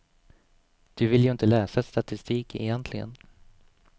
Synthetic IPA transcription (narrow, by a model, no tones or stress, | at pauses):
d̪̥ɵvɪljɵɪnt̪əlɛːsaɛt̪st̪at̪ɪst̪iːkʰɛ̰jɛnt̪ʰlɪɡə̰n